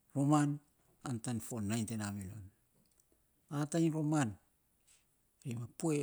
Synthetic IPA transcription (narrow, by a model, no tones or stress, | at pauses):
ɾoman | antanfonajntenamilo̰n | atajnɾo̞man | ɾimapue